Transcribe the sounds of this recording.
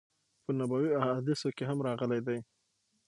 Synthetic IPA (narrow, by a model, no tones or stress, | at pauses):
pənabawiahɑd̪ɪsokeɦamɾɑɣəlajd̪aj